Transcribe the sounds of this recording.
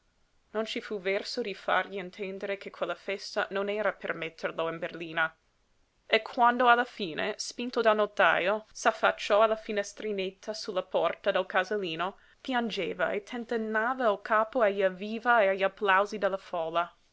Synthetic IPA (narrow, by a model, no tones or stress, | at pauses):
nont͡ʃifuvɛrsod̪ifa̰rʎient̪ʰɛnd̪eɾekʰekʰwelːafɛst̪anonɛːɾapermɛt̪ʰːerloinberliːna | ekʰwand̪oalːafiːnʔḛspint̪od̪alnot̪a̰ːjosafːat͡ʃːɔalafinɛst̪ɾinet̪ʰːasulːapɔrt̪ad̪ɛlkazaliːno | pjand͡ʒeːva̰et̪ʰːɛnt̪enːaːvailkʰaːpoaʎaviːvaeaʎːapːlawzid̪ɛlːafɔːla